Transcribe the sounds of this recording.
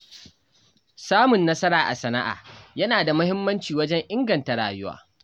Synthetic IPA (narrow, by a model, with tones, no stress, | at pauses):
saː˦mʊ˨nːɐ˦sɐ˦ɾaː˨ʔa̰˨sɐ˨nɐ˦ʔa̰ː˨jɐ˦naː˨da˨mʊ˦hɪ˦mːɐ˦nt͡ʃiː˨wɐ˦d͡ʒɛ˦ŋʔɪ˦ŋɡɐ˨nta˨ɽaː˨jʊ˦wa̰ː˦